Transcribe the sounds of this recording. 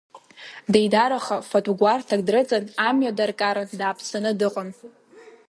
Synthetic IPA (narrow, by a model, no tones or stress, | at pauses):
dejdaɾaχafotʼuɡʷartʰak̚ʼdrɨt͡sʼɨnamjadarkʼaɾɨdaːpʰsanɨdɨqʼən